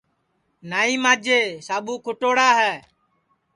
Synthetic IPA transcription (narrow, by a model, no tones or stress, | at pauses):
naːiːmaːd͡ʒeːsaːɓuːkʰʊʈoːɽaːɦɛː